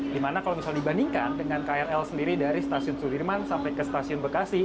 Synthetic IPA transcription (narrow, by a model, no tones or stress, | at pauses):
dimanakalomisaldibandiŋkandəŋankaɛrɛlsəndiɾidaɾist̪asiʊnsuɾirmansampajkəst̪asiʊnbəkasɪ